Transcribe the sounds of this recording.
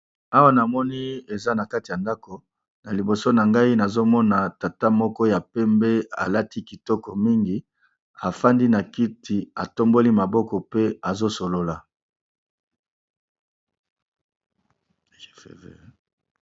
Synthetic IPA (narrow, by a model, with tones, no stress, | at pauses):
a˦wa˦na˨mɔ˦ni˦e˨za˦na˨ka˦ti˨ja˨nda˦ko˨ | na˨li˨bo˨so˦na˨ŋɡa˦i˦na˨zo˦mɔ˦na˨ta˨ta˦mɔ˦kɔ˦ja˨pɛ˦mbɛ˦a̰˨la˦ti˦ki˨tɔ˦kɔ˨mi˦ŋɡi˦ | a˨fa˦ndi˦na˨ki˦tʰi˨a˨to˦mbo˦li˦ma˨bɔ˦kɔ˨pe˦a˨zo˦so˨lo˨la˨